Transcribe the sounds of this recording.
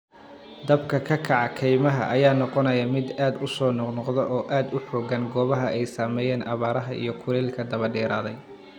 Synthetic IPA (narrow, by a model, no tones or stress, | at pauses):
d̪ɐbkʰɐkʰɐkʰɑʕɑkʰɛjmɐɦɐ̰ʔɐjaːnɔqɔnɐjɐmɪd̪aːd̪ʊsɔːnɔqnɔqd̪ɔʔɔːʔaːd̪ʊħoːɡɐnɡɔːβɐɦɐʔɛjsaːmɛːjɛːnʔɐβaːɾɐɦɐʔḭjɞkʰʊɾɛːlkʰɐd̪ɐβɐɖɛːɾaːðɛj